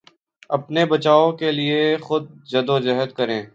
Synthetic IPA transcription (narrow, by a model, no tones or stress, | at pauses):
ɐpnebɐt͡ʃaːõkeliexʊd̪̚d͡ʒɐd̪od͡ʒɐɦəd̪̚kɐɾẽː